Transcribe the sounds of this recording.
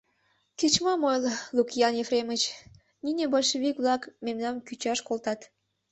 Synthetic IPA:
ket͡ɕmɑmojllukjɑnjefremət͡ɕ | nʲinʲebolʲʃeβikβlɑkmemnɑmkyt͡ɕɑʃkolt̪ɑt̪

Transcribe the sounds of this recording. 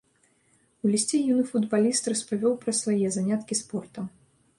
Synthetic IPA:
ulʲisʲt͡sʲɛjunɨfud̪balʲist̪rɐspavʲɔwpɾɐsvajɛzanʲat̪kʲispɔrt̪ɐ

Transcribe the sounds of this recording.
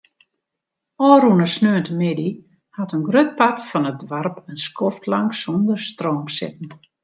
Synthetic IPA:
ɔːɾunəsnøəntəmɪdi | hatənɡrøt̚patfɔnət̚dʋarpənskʰɔftlaŋksondərstroːmsɪ̰p̚ən̩

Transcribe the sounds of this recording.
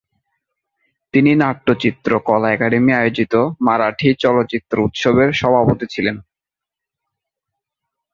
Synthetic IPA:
t̪ininaʈːot͡ɕit̪ːɾokɔlaɛkaɖemiajod͡ʑit̪omaɾaʈʰit͡ɕɔlotːt͡ɕit̪ːɾout̪ʃobeɾʃɔbʱapot̪it͡ɕʰilen

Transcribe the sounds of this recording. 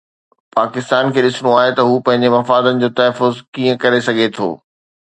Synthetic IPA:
paːkɪst̪aːnkʰeːɗɪsɪɽ̃oaːɦet̪ɐɦuːpɐ̃ɦɪ̃ɲd͡ʑemɐfaːd̪ənɪ̆d͡ʑoːt̪ɐɦːfʊzkĩːə̃kɐɾesɐɡʱet̪ʰo̰ː

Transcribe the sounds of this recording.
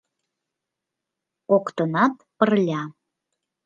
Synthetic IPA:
kokt̪ənɑt̪pərlʲɑ

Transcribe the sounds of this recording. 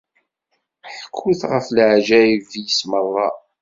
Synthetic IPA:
ħəkʰːuθʁəfləʕʒæjivijəsmərˤːɑ̰

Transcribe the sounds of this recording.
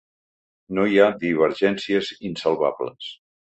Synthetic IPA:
noiad̪iβ̞əɾʒɛnsiəzinsəlˠβa̰βlə̰s

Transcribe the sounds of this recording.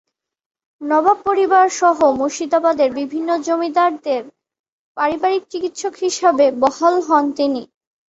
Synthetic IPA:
nɔbab̚pːoɾibaɾʃɔɦomoʃid̪abad̪eɾbibʱinːod͡ʑomid̪aɾd̪eɾ | paɾibaɾik̚t͡ɕikit̪ʃokɦiʃabebɔhalɦɔnt̪ini

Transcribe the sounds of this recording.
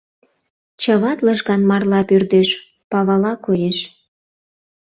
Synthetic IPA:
t͡ɕəβɑt̪ləʒɣɑnmɑrlɑpyrd̪eʃ | pɑβɑlɑkojeʃ

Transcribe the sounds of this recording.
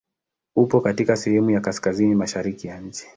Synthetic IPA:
upɔkatikasɛhɛmujakaskazinimaʃaɾikijaɲ̩t͡ʃi̥

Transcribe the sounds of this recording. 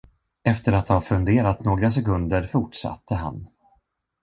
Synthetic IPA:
ɛft̪əɾat̪hafɵnd̪eːɾat̪noːɡɾas̬ɛkɵnd̪əɾfʊʈʂa̰t̪ːəɦa̰n

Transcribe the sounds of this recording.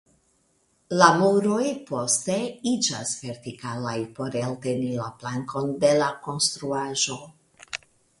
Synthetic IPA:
lamuɾo̞jpo̞ste̞id͡ʒa̰sve̞ɾtikalajpo̞ɾelte̞nilaplaŋko̞nde̞lako̞nst̪ɾuaʒo̞

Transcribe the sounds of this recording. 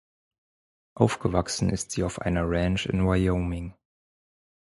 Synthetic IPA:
ʔaʊfɡ̥əvaksn̩ɪ̰stz̥iːaʊfʔa̰ɪnɐʁɛnʃɪ̰nwajoʊmɪŋ

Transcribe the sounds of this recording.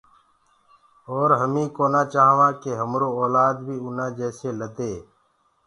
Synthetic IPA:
oːɾɦəmĩːkoːnaːt͡ʃaːɦʋãːkeːɦəmɾoːoːlaːd̪bʱiːʊnãːd͡ʒɛːseːləd̪eː

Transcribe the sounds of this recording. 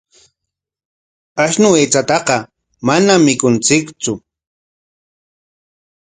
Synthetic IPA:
aʃnʊeːt͡sat̪ɑqɑ | manamːɪkʊnt͡sɪkt͡sʊ

